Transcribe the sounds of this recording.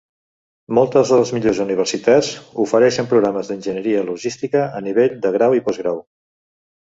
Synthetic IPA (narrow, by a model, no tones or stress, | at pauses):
mɔlˠt̪əzðələzmiʎozuniβ̞ərsit̪azufəɾɛʃəmpɾuɣɾaməzðənʲʒənəɾiəluʒist̪ikəəniβ̞eʎd̪əɣ̞ɾawipɔzɣɾaw